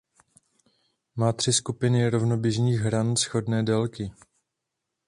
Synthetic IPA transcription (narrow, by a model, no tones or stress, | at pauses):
maːt̪r̝̥ɪskupɪnɪɾo̞vnobjɪʒɲiːɣɦɾansxo̞dnɛːdɛlkɪ